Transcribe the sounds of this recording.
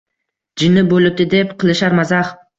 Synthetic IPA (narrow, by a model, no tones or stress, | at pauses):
d͡ʒɪnɪbolɪp̚d̪ɪd̪epqʰɨlˠɪʃaɾmazaχ